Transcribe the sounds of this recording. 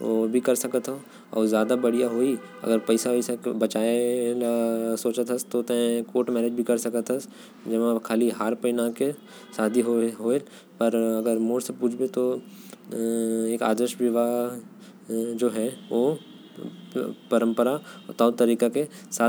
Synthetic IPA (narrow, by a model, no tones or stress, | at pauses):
oːbʱikɐɾsɐkət̪ɦo | ɔ̰ːɾzjaːd̪abɐɽijaɦoːi | ɐ̰ɡəɾpɐɪsaisekbɐt͡ʃaːenasoːt͡ʃət̪ɦɐst̪ot̪ẽkoːʈmɛːɾed͡ʒbʱikɐɾsɐkət̪ɦɐs | d͡ʒɐʋakʰaːliɦaːɾpəɪnake | saːd̪ʱiɦoɦoːe | pɐɾɐɡəɾmoːɽsepuːd͡ʒʰbet̪o | eːka̰ːd̪ɾəʃʋɪʋa | d͡ʒoːɦɛʋo | pɐɾə̃mpəɾaɔt̪aːʊt̪ːɐɾiːkakesaː